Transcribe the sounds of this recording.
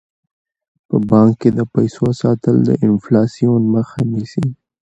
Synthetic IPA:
pəbɑŋkːed̪əpajsosɑt̪əld̪ə̰ʔɪnflɑsijonməxanisi

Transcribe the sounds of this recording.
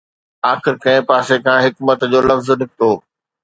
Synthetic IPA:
aːxɪɾkɐ̃ɪ̃paːsekãːɦɪkmət̪d͡ʑoːlɐfznɪk̚ʰt̪oː

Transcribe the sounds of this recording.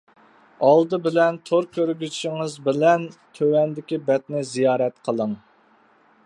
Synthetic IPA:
ɑlˠd̪ɨbɪlɛnt̪ʰoɾkʲøɾɡʲyʃiŋɨzbɪlɛnt̪ʰøwɛnd̪ɪkʲibɛt̪nɪzijɑːɾɛt̪qʰəlˠəŋ

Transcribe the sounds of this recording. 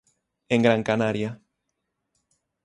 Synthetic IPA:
eŋɡɾaŋkanaɾja

